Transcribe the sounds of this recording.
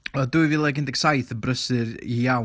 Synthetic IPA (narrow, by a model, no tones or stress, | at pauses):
ɔduɨvɨlˠɛɡɪndɛɡ̥sajθəbrəsɨɾijaw